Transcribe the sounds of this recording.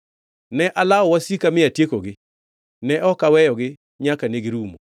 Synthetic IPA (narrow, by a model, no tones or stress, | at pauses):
nɛʔalaɔwasikamɪatjekoɡɪ | nɛʔɔkawɛjɔɡɪ | ɲakaneɡɪɾumo̰